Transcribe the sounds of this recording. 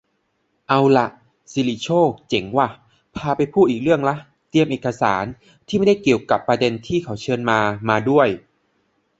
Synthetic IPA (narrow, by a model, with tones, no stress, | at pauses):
ʔa˧wla˨˩ʔ | si˧li˧˩t͡ɕʰoː˥˩k̚t͡ɕe˩˦ŋwaː˧˥˩ | pʰaː˧pa˧jpʰuː˥˩ʔiː˨˩k̚ɾɯ˥˩əŋla˦˥ʔ | t̪i˧əmʔeː˨˩ka˧sa̰ː˩˦n | t̪ʰiː˥˩ma˥˩da˥˩jki˨˩əwka˨˩pːɾa˧de˧nt̪ʰiː˥˩kʰa˩˦wt͡ɕʰɤː˧nmaː˧maː˧du˥˩əj